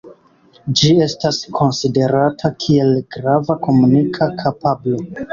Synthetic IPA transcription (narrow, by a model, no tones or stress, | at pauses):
d͡ʒie̞staskʰo̞nside̞ɾatʰakʰie̞lɡɾavako̞munikʰakʰapablo̞